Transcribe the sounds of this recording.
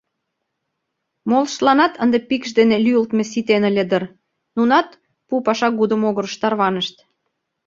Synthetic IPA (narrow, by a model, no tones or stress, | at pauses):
molʃlɑnɑt̪ənd̪epikʃd̪enelyəlt̪mes̬it̪enə̆lʲed̪ər | nunɑt̪ | pupɑʃɑɡud̪ə̆moɣəɾəʃt̪ɑrβɑnəʃt̪